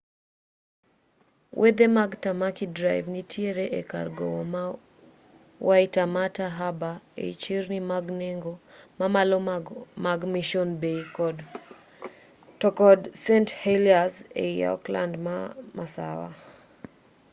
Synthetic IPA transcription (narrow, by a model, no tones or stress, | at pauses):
wʔed̪emaɡtamakidɾajvnitʰieɾɛʔeka̰rɡɔ̰ɔma | wʔaitamataɦabaḛit͡ʃiɾnimaɡneŋɡɔmamalɔmaɡmiʃɔnbeikɔd | tɔkɔdsɛntheliazḛija̰ɔ̰kla̰ndmamasa̰wa̰